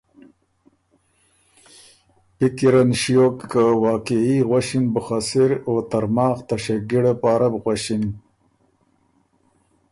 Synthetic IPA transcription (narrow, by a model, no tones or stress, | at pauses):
pikiɾanʃijokːawɑːkiiɣwaɕinbəxasiɾot̪aɾmɑːxt̪aɕeɡiɽepaːɾabɣwaɕin